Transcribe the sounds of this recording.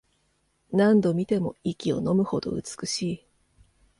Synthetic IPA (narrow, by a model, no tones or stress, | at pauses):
nãnd̪o̞mʲit̪e̞mo̞̰ikʲio̞̰no̞mɯ̟ho̞d̪o̞̰ɯ̟̰t͡sɨ̥kɯ̟ɕiː